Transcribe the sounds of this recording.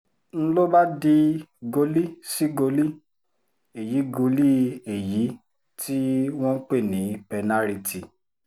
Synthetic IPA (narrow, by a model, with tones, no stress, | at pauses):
n̩˦lo˦ba˦di˧ɡo˧li˦si˦ɡo˧li˦ | e˨ji˨˦ɡo˧li˦e˨ji˨˦ | ti˦wɔ̃˦k͡pe˦˨nĩ˨˦pɛ˧na˦ɾi˧ti˨